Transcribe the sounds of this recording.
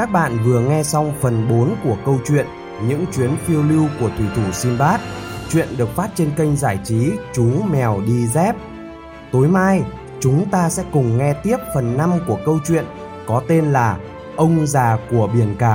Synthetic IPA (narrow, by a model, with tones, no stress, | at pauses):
kaː˦˥k̚ɓa̰ː˧˨nvɨ˨˩əŋɛ˧sa˧wŋ͡mfə˨˩nɓo˨˦nku˧˩əkə˧wt͡ɕwḭ˧˨ən | ɲɨ̰˧˥ŋt͡ɕwi˨˦ənfi˧əwli˧wku˧˩ət̪ʰwi˧˩t̪ʰu˧˩si˧nɓaː˦˥t̚t͡ɕwḭ˧˨ənɗɨ˨˩ək̚faː˦˥t̚t͡ɕe˧nkə˧jŋ̟zaː˧˩jt͡ɕi˨˦t͡ɕu˨˦mɛ˨˩wɗi˧zɛ˦˥p̚ | t̪o˨˦jmaː˧j | t͡ɕʊ˨˦ŋ͡mt̪aː˧sɛ̰˧˥kʊ˨˩ŋ͡mŋɛ˧t̪i˦˥əp̚fə˨˩nːa˧mku˧˩əkə˧wt͡ɕwḭ˧˨ən | kɔ˨˦t̪e˧nlaː˨˩ | ʔə˧wŋ͡mzaː˨˩ku˧˩əɓi˧˩ənkaː˧˩